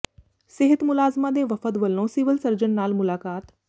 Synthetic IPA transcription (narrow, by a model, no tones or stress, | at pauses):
sɪɦət̪mʊlaːzmad̪eːʋɐfət̪ʋəlːõsiːʋəlsɐɾd͡ʒənːaːlmʊlaːkaːt̪